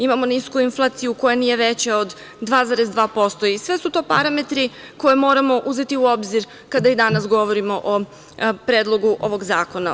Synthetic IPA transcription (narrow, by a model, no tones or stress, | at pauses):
imamo̞niskuinflˠaːt̪sijuko̞jeniːje̞ʋe̞t͡ɕeod̪ː | ʋaːd̪zaɾezd̪ʋaːpo̞st̪o̞isʋe̞sut̪o̞ːpaɾame̞t̪ɾi | ko̞jemo̞ːɾamo̞ʔuze̞t̪iuo̞bziɾ | kad̪aid̪anasɡo̞ʋo̞ɾimo̞ʔo | pɾeːd̪lˠo̞ɡuʔo̞ʋo̞ɡzaːko̞na